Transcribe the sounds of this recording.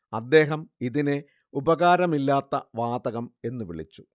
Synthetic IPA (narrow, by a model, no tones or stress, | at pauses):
ɐd̪ːe̞ːɦɐmiðine | ubɐɣaːɾɐmilːaːt̪ːɐʋaːd̪ɐɣɐme̞nːuʋiɭḭt͡ɕːu̥